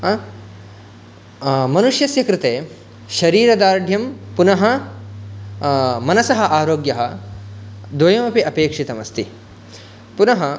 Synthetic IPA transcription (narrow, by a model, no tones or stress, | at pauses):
mɐnuʂjɐsjɐkɾɪt̪eː | ʃɐɾiːɾɐd̪aːɾɖʱjɐmpunɐɦɐ | mɐnɐsɐɦɐʔaːɾoːɡjɐɦɐ̆ | d̪ʋɐjɐmɐpiɐpeːkʂit̪ɐmɐst̪i | punɐɦɐ